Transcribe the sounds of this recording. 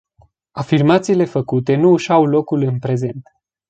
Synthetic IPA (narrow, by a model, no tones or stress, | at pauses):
afirmat̪siːle̞fəkut̪e̞nuːʃawlo̞kulɨnpɾe̞ze̞nt̪